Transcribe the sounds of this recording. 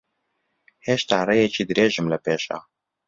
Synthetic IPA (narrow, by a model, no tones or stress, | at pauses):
heːʃt̪aːrejet͡ʃiːd̪ɨɾeːʒɨmlɛpeːʃa̰ː